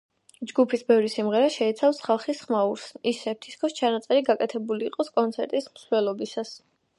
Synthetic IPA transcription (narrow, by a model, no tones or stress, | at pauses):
d͡ʒɡupʰisbɛvɾisimʁɛɾaʃɛit̪sʰafsχalˠχisχmauɾsisɛp̚t̪ʰiskʰɔst͡ʃʰanat̪sʼɛɾiɡakʼɛt̪ʰɛbuliːqʼɔskʼɔnt̪sʰɛɾt̪ʼismsvlɛlˠɔbisas